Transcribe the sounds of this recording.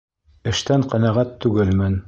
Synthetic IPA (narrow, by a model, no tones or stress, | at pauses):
ɘ̆ʃt̪æɴqæ̆næʁæt̪ːʉɡɘlmɘn